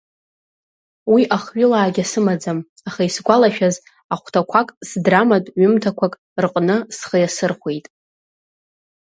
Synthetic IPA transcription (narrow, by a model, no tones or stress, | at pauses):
wiʔaχɥʊlaːɡʲasɨmad͡zam | aχaisɡʷalaʃᶣaz | aχʷtʰakʷʰakʼsdramatʼɥʏmtʰakʷʰakʼ | rqʼnɨsχəjasɨrχʷe̞jtʼ